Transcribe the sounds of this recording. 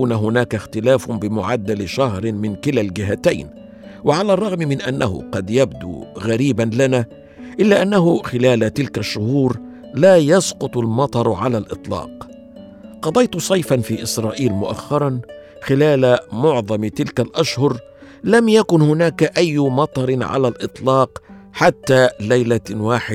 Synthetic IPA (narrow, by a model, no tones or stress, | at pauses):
uːnaɦʊnaːkaxt̪ɪlaːfʊbɪmʊʕad̪ːalɪʃahɾɪmɪnkɪlalɡɪɦat̪ajn | wɪʕalaːrˤːɑɣmmɪnʔanːahʊ̰qɑd̪jab̚d̪ṵːɣaɾiːbanlanaː | ʔɪlːaːʔanːaɦʊxɪlaːlat̪ɪlkaʃːʊhuːɾ | laːjɑsqʊt̪ˤalmɑt̪ˤɑɾˤʕalalʔɨt̪ˤlɑ̰ːq | qɑd̪ˤɑjt̪ʊsˤɑjfanfiːʔɪsɾˤɑːʔiːlmʊʔa̰xːɑɾˤɑn | xɪlaːlamʊʕðˤɑmt̪ɪlkalʔaʃhʊɾ | lamjakʊnhʊnaːkaʔajːmɑt̪ˤɑɾˤɪnʕa̰lalʔɨt̪ˤlɑːq | ħat̪ːaːlajlawaːħɪd̪